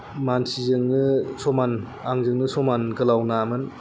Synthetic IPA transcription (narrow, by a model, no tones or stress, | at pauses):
mansizɯŋnɯsʰoman | aŋzɯŋnɯsomankɯlawnamɯn